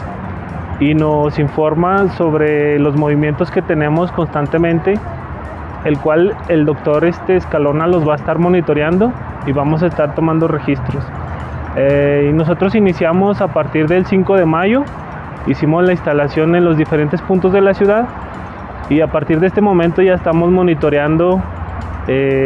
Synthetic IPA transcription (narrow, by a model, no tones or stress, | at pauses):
ino̞siɱfo̞ɾmaso̞βɾe̞lo̞zmo̞β̞imjent̪o̞ske̞t̪e̞nẽ̞mo̞sko̞nst̪ant̪e̞mẽ̞nt̪e̞ː | lkwaleld̪o̞k̚t̪o̞ɾe̞st̪e̞ːskalo̞nalo̞zβaest̪aɾmo̞nit̪o̞ɾjand̪o̞ | iβamo̞s̬aest̪aɾt̪o̞mãnd̪o̞re̞xist̪ɾo̞s | eino̞s̬o̞t̪ɾo̞sinisjamo̞sapaɾt̪iɾðe̞lsiŋko̞ðe̞maʝo̞ | isimo̞slaĩnst̪alasjo̞ne̞nlo̞zðife̞ɾe̞nt̪e̞spũnt̪o̞zðe̞lasjuðað | iapaɾt̪iɾðest̪e̞mo̞mẽnt̪o̞ʝaest̪amo̞zmo̞nit̪o̞ɾjand̪o̞ | e